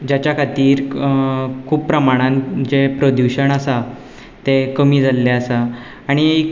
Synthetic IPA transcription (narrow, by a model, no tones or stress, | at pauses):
d͡ʑjat͡ɕjakʰat̪iːɾ | kʰuːppːɾəmaɽ̃ãnd͡ʑepɾod̪juɕəɳ̃asa | t̪ekəmiːd͡zʱalːeasaː | ɽ̃i